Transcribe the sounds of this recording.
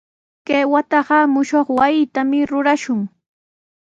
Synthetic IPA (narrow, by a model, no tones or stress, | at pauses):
keːwat̪ɑɢɑmʊʃoχwajɪt̪amɪɾʊɾaʃʊŋ